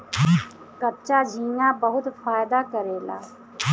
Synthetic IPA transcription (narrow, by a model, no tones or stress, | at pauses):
kəpt͡ʃaːd͡ʒĩːnãːbəɦʊt̪faːjd̪aːkəɾeːla̰ː